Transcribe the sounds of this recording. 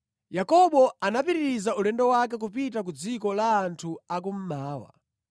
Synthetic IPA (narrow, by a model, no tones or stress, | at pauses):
jakɔɓɔanapiɾiɾizaulɛndɔwak̬ɛk̬upitak̬ud͡zikɔlaːntʰuakum̩maːwa̰